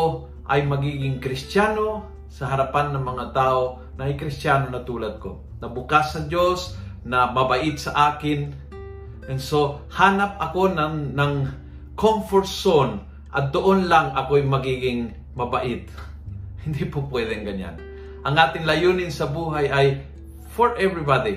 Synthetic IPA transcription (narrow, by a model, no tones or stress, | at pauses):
ʔɐjmɐɡiːɡɪŋkɾɪst̪jaːno̞ | sɐɦɐɾɐpanːɐŋmɐŋat̪aːʔo | nɐʔɐjkɾɪst̪jaːnonɐt̪uːlɐd̪̚ko̰ | nɐbʊkasːɐd͡ʒo̞snɐmɐbɐʔɪt̪̚sɐʔaːkɪn | nso̞haːnap̚ɐko̞nnɐŋ | komfoɹson | ʔɐ̰t̪̚d̪oʔonlaŋɐkoɐjmɐɡiːɡɪŋ | mɐbaʔɪt̪̚ | hɪnd̪ipopwɛd̪ɛŋɡɐɲa̰n | ʔɐŋʔaːt̪ɪŋlɐjuːnɪnsɐbuːɦajɐj | foɹʔɛvɹibad̪i